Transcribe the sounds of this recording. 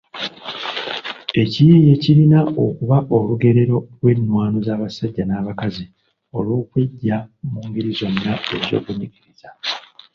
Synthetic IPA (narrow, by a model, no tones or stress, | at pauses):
e̞cijeje̞ciɾinao̞kuβaʔo̞luɡe̞ɾe̞ɾo̞lwe̞nːwaːno̞zaːβasaɟːanaːβakazi | o̞lwo̞ːkweɟːamuːŋɡiɾizo̞nːae̞zo̞̰ːkunikiɾiz̥a